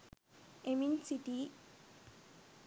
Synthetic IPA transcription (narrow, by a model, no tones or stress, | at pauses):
eminsiʈi